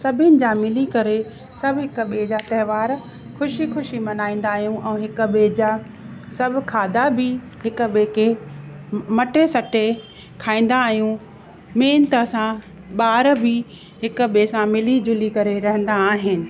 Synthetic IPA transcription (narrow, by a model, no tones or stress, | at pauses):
sɐbʱɪnɪ̆d͡ʑaːmɪlikɐɾe | sɐbʱɦɪkɓeːd͡ʑat̪ɐɦɪʋaːɾ | xʊʃixʊʃimɐnaːĩːn̆d̪aːɦijũʔɛ̃ːɦɪkɓeːd͡ʑaː | sɐbʱkʰaːd̪abɪ | ɦɪkʊ̆ɓeːke | mɐʈesɐʈe | kʰaːĩːn̆d̪aːɦijũ | meːnt̪əsã | ɓaːɾbɪ | ɦɪkʊ̆ɓeːsãmɪlid͡ʑʊlikɐɾeɾɐɦə̃n̆d̪aːɦɪnɪ̆